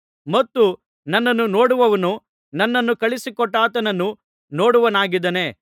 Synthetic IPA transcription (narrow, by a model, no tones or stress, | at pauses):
mɐt̪ːu | nɐnːɐnːunoːɽuʋɐʋɐnu | nɐnːɐnːukɐɭisikɔʈːaːt̪ɐnɐnːu | no̞ːɽuʋɐnaːɡid̪ɐne̞